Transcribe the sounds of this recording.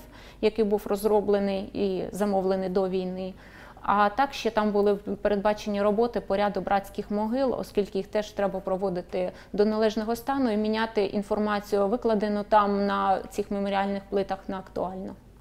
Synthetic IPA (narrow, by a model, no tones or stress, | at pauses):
jɐkɪjbuwrɔzrɔblˠenɪjizɐmɔʋlˠenɪjd̪ɔʋʲijnɪ | ɐt̪ɑkʃt͡ʃɛt̪ɑmbʊlˠɪwpeɾe̞d̪̚bɑt͡ʃenʲːiɾɔbɔt̪ɪpɔɾʲad̪ʊbɾʔɑt͡sʲkʲɪxmɔɦɪlˠɔ̰skʲilʲkɪjixt̪ɛʃt̪ɾɛbɐpɾɔʋɔd̪ɪt̪ɪ | d̪ɔnɐlˠɛʒnɔɦɔst̪ɑnʊimʲinʲat̪ɪʔinfɔrmɑt͡sʲijʊʋɪklˠɐd̪ɪnʊt̪ɑmnɐt͡sʲixmemɔɾʲiɑlʲnɪxplˠɪt̪ɐxnɐːkt̪ʊɑlʲnɔ